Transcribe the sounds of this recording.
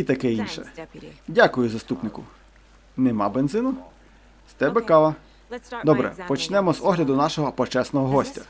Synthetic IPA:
it̪ɐkɛinʃɛ̰dʲakʊjʊzɐst̪upnɪkʊ | nemɑ̰bend̪zɪnʊ | st̪ɛbɛkɑʋɐ | d̪ɔbɾɛ̰pɔt͡ʃnɛmɔzɔɦlʲɐd̪ʊnɑʃɔɦɔpɔt͡ʃɛsnɔɦɔɦɔsʲtʲɐ

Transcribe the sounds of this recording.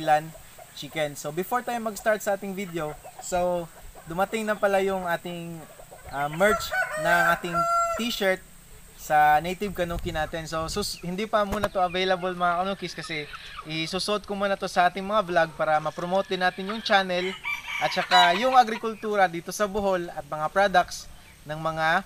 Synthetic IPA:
lɐn | t͡ʃikɛnsowbɪfoɹt̪ajmːɐɡst̪aɹt̪̚sɐʔaːt̪ɪŋvid̪ɛosowd̪ʊmɐt̪ɪŋnɐpɐlajʊŋʔaːt̪ɪŋʔɐmɛɹt͡ʃnɐŋʔaːt̪ɪŋt̪iʃɛɹt̪̚ | sɐnejt̪ɪb̚kɐnuːkɪnaːt̪ɛnso̞suhɪnd̪ipɐmuːnɐt̪oʔɐvejlɐbolmɐŋakɐnuːkɪskɐsɛʔɪsuːsʊʔod̪̚komuːnɐt̪o̞sɐʔaːt̪ɪŋmɐŋablaɡ̚paːɾɐmɐpɾomoːt̪̚ɪnaːt̪ɪnjʊŋt͡ʃaːnɛlʔɐt̪̚t͡ʃɐkajʊŋʔɐɡɾɪkʊlt̪uːɾɐd̪iːt̪o̞sɐbʊɦo̞lɐt̪̚mɐŋapɾad̪ɐk̚s | nɐŋmɐŋa

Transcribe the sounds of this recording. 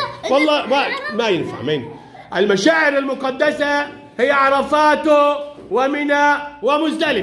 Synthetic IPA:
wɑlˤːɑːmamajɪnfa̰ʕmɪːn | ʔɪlmaʃaːʕɪɾɪlmʊqɑd̪ːasa | hɪjːaʕɑɾˤɑfaːt̪ʊ | wɪmɪnawɪmʊzd̪alɪ

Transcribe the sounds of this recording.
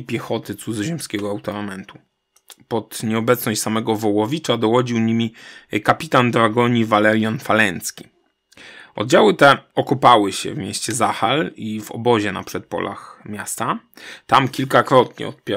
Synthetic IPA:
pʲjɛxɔt̪ɘt̪suzʑɛmskʲɛɡɔawt̪ɔɾamɛnt̪u̥ | pɔt̪ɲɛɔbɛt̪snɔɕt͡ɕʲsamɛɡɔvɔwɔvʲit͡ʂad̪ɔwɔd͡ʑiwɲimʲikapʲit̪and̪ɾaɡɔɲivalɛɾjanfalɛnt̪skʲi̥ | ʔɔ̰d̪̚d͡ʑawɘt̪ɛɔkupawɘɕɛ̰vmʲjɛ̰ɕt͡ɕɛzaxalivɔ̰bɔʑɛna̰pʂɛt̪̚pɔ̰lʔa̰xmʲjast̪at̪amkʲilkakɾɔt̪ɲɛ̰ɔt̪pʲɛ

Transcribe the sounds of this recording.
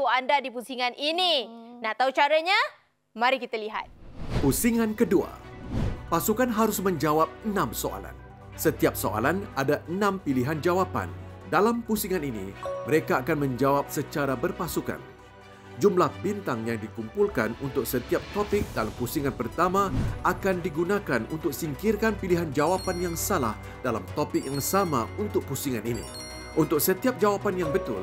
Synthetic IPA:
uandadipusiŋanʔininaʔt̪aut͡ʃaɾaɲa | mãɾikit̪aliɦa̰t̪̚pusiŋãnkədua̰ | pasukanɦaɾʊsmə̃ɲd͡ʒawap̚ənãmsoʔa̰la̰n | sət̪iap̚soʔa̰lanadaʔənãmpiliɦand͡ʒawapa̰ndalampusiŋaninḭməɾekaːkanmə̃ɲd͡ʒawap̚sət͡ʃaɾabərpasuka̰n | d͡ʒumlahbint̪aŋjaŋdikumpulkanunt̪ʊk̚sət̪iap̚t̪opɪk̚dalampusiŋanpərt̪amaakandiɡunakanunt̪ʊk̚siŋkirkanpiliɦand͡ʒawapanjaŋsala̰h | dalamt̪opɪk̚jaŋsamaunt̪ʊk̚pusiŋaninḭ | ʔunt̪ʊk̚sət̪iap̚d͡ʒawapanjaŋbət̪ʊ̰l

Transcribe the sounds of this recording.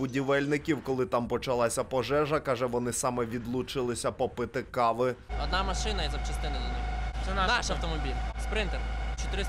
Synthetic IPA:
bʊdʲiʋɛlʲnɪkʲiwkɔlˠɪt̪ɑmpɔt͡ʃɐlˠɑsʲɐpɔʒɛʒɐkɑʒɛʋɔnɪsɑmɛʋʲid̪lˠut͡ʃɪlˠɪsʲɐpɔpɪt̪ɪkɑʋɪɔd̪nɑmɐʃɪnɐizɐpt͡ʃɐst̪ɪnɪdʲijnʲisɛnanaʃɐwt̪ɔmɔbʲilʲspɾɪnt̪ɛrt͡ʃɔt̪ɪɾɪ

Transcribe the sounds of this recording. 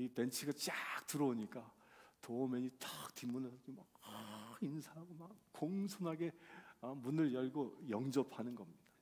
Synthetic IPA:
ite̞nt͡ɕʰiɡat͡ɕ͈ak̚tɯɾʌoɲik͈a | tomeɲit͈ak̚timːunesʰʌmakinsʰaɦaɡomakk͈oŋsʰoŋɦaɡe̞ʌmunɯɭjʌɭɡojʌŋd͡ʑʌpʰanɯnɡʌmɲid̥a

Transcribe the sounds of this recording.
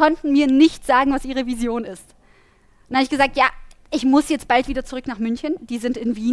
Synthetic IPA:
ɔntn̩miːɐnɪçtz̥aːɡŋ̩vasʔiːʁ̞əvizjoːnɪst | nhaɪçɡ̥əzaːk̚tjaːʔɪçmʊsjɛt͡st̚b̥altv̥iːdɐt͡suʁʏknaːχmʏnçənd̥iːzɪntɪnviː

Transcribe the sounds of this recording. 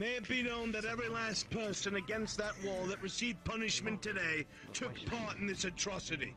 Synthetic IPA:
meɪɨvbɨ̃nõʊ̃nðɨɾɛvɹilæs̚pʰɜ˞sɨ̃nɨɡɛ̃nst̪̚ðəʔ̚wɔðəʔ̚ɹɨsivpʰʌnɨʃmɨ̃ntʰɨdeɪ | tʰʊk̚pʰɑɹɾn̩ðɪsɨtʰɹ̥ɑsɨɾḭ

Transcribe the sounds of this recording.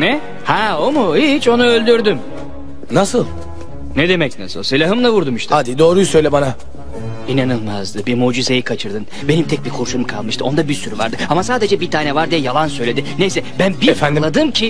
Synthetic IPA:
nɛ | hɛomuhit͡ʃo̞nuølʲd̪yɾd̪ym | nasɯlˠ | ned̪e̞mɛcna̰sɯ̰lˠselʲaɦɯmlˠavuɾd̪umiʃt̪ʰad̪id̪o̞ːɾujusøjlʲɛbana | inanɯlˠma̰zd̪ɯbiɾmud͡ʒize̞jikʰat͡ʃʰɯɾd̪ɯn | be̞nimt̪ʰɛc̚biɾkʰoɾʃumkʰalˠmɯʃt̪ɯo̞nd̪abiɾsyɾyva̰ɾd̪ɯamasaːd̪e̞d͡ʒɛbit̪ʰaːnɛvaɾd̪ijɛjalˠansøjlʲe̞d̪inejsɛbænbiɾefænd̪lˠad̪ɯmcʰi

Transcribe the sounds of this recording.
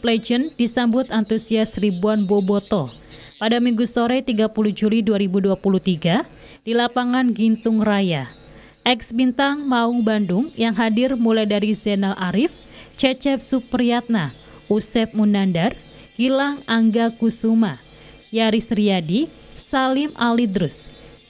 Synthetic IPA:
plɛd͡ʒəndisambʊt̪ant̪usiasribuanbɔbɔt̪ɔ | padamiŋɡusoɾɛjt̪iɡapuluhd͡ʒuliduaɾibuduapuluht̪iɡa | d̥ilapaŋanɡint̪ʊŋraja | ʔɛksbint̪aŋmauŋbandʊŋjaŋɦadɪrmulajdaɾizɛnalʔaɾɪf | t͡ʃɛt͡ʃɛp̚supriat̪̚na | usɛp̚munandar | ɡ̥ilaŋaŋɡakusuma | jaɾisriadi | salɪma̰lidɾus

